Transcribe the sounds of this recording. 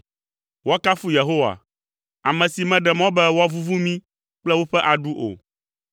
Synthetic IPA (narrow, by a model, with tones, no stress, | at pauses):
wɔ˦ka˦fu˦je˨ɦo˦wa̰˨ | a˨mɛ̃˨si˨mɛ̃˨ɖɛ˨mɔ̃˦bɛ˦wɔ˦vu˦vu˦mĩ˦ | k͡plɛ˦wo˦ɸɛ˦ʔa˨ɖu˦ʔo̰˨